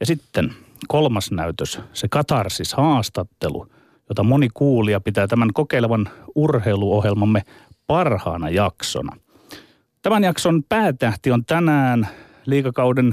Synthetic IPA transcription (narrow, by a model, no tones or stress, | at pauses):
jɑsit̪ːen | kolmɑsnæyt̪øssekɑt̪ɑrsishɑːst̪ɑt̪ːelṵ | jot̪ɑmonikuːliɑpit̪æːt̪æmæŋkokeileʋɑnurheiluohjelmɑmːepɑrhɑ̰ːnɑjɑkso̰nɑ̰ | t̪æmænjɑksonpæːt̪æht̪iont̪ænæːn | liːkɑkɑuden